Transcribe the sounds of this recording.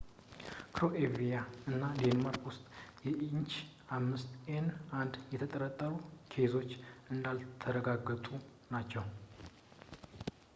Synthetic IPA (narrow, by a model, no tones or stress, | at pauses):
kʰɾo̞ʔevijaɨnːad̪enmaɾkwʊst̪ʼjɛʔiɲt͡ʃ | ʔamːɨst̪enʔand̪jɛt̪ʰət̪ʼəɾət̪ʼːəɾukʰe̞zo̞t͡ʃːʔɨnd̪alt̪ʰəɾəɡaɡːət̪ʼu | nat͡ʃːɛw